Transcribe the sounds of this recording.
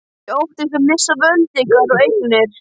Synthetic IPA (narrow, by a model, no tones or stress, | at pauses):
owht̪ɪs̬ɛmmːɪsːavœlt̪ɪkvɛðɔejknɪɾ̥